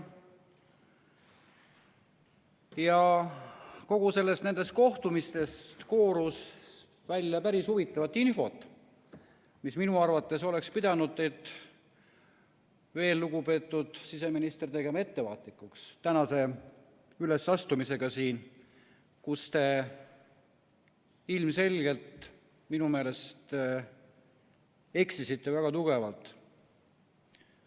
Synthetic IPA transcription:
jɑ | ko̞ɡ̥use̞lːe̞st̪ne̞nd̪̥e̞st̪̚ko̞ht̪umist̪e̞st̪ko̞ːɾus | vælʲjɑpæɾishuvit̪ːˑɑvɑt̪ˑːinfo̞t̪ːˑ | misminuɑrvɑt̪ˑːe̞so̞le̞kspid̪ɑnud̪et̪ːˑ | ve̞ːlːuɡ̥upe̞ːt̪ːˑud̪̥sise̞minist̪ert̪e̞ɡe̞mɑe̞t̪ːe̞vɑːt̪ˑlikːˑukst̪ænɑse̞ | ylesɑst̪umise̞ɡ̥ɑsiːn | kust̪e̞ | ilmse̞lʲɡe̞lt̪ | minume̞ːle̞st̪ | e̞ksisit̪ːe̞væɡ̥ɑt̪uɡ̥e̞vɑlt̪ˑ

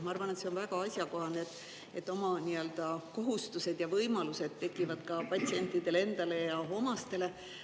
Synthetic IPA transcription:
mɑɑrvɑne̞t̪se̞o̞nvæɡ̥ɑɑsʲjɑko̞ɦɑnet̪ːˑ | e̞t̪ːˑo̞mɑniø̞ld̪̥ɑko̞ɦust̪use̞d̪̥jɑvɤjmɑluse̞d̪̥̚t̪ːe̞kːˑivɑd̪̥kɑpɑt̪ʲsie̞nʲt̪ˑːid̪̥e̞le̞nd̪̥ɑle̞jɑɦo̞mɑst̪e̞le̞

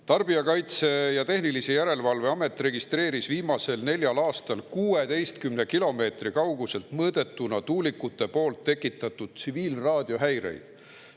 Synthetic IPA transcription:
t̪ɑrb̥iɑkɑjt̪se̞jɑt̪e̞hnilise̞jæɾe̞lvɑlve̞ɑme̞t̪ːˑre̞ɡist̪re̞ːɾisviːmɑse̞lne̞lʲjɑlɑːst̪ɑlkuːet̪e̞jst̪kymne̞kilo̞me̞ːt̪rikɑwɡ̥use̞lt̪mɤːd̪̥e̞t̪ːˑunɑt̪uːlikːˑut̪ːˑe̞po̞ːlt̪ːe̞kːˑit̪ːˑɑt̪ːˑud̪̥̚t̪siviːlrɑːd̪̥jo̞ɦæjɾe̞̰jd̪̥

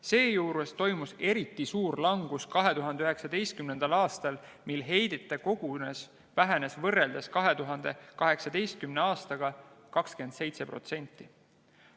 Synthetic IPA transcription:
se̞ːjuːɾest̪o̞jmuse̞ɾit̪ːˑisuːɾlɑŋɡ̥uskɑɦe̞t̪uɦɑnd̪eyɦeksɑd̪̥e̞jst̪kymne̞nd̪̥ɑlɑːst̪ɑl | milɦe̞jd̪̥et̪ːˑeko̞ɡ̥unes | væɦene̞svɤrːeld̪eskɑɦe̞t̪uɦɑnd̪̥e̞kɑɦe̞ksɑd̪̥e̞jst̪̚kymneɑːst̪ɑɡ̥ɑkɑkske̞nd̪̥se̞jt̪se̞pro̞̰t̪se̞nʲt̪ːˑi

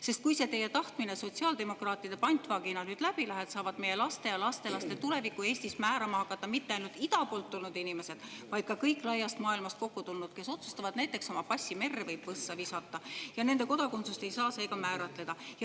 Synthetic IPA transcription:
se̞st̪̚kujse̞t̪e̞je̞t̪ɑht̪mineso̞t̪siɑːld̪̥e̞mo̞krɑːt̪ːˑid̪epɑnʲt̪ˑvɑɡ̥inɑnyːd̪læb̥ilæɦet̪sɑːvɑd̪̚me̞je̞lɑst̪e̞jɑlɑst̪e̞lɑst̪et̪ule̞vikːˑue̞ːsʲt̪ismæːɾɑmɑhɑkːˑɑt̪ːɑmit̪ːeɑjnult̪id̪ɑpo̞ːlt̪ːulnud̪inime̞se̞d̪̥vɑjd̪̥̚kɑkɤjkːˑlɑjːɑst̪mɑːilmɑst̪ko̞kːut̪ulnud̪ke̞so̞t̪su̥st̪ɑvɑd̪næjt̪ˑːe̞kso̞mɑpɑsʲːime̞rːevɤjb̥vɤsːɑvisɑt̪ˑːɑjɑne̞nd̪e̞ko̞d̪ɑkunt̪sust̪e̞jsɑːseːɡɑmæːɾɑt̪ˑle̞d̪̥ɑjɑ

